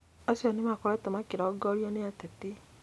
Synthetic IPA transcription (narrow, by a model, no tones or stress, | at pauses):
asɔnemakɔɾɛtɔmakiɾaɔɡɔɾjɔneatɛti